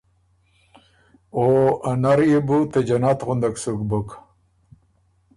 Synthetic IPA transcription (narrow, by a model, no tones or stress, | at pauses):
oanaɾjebut̪ed͡ʑanat̪ɣʊnd̪aksukbuk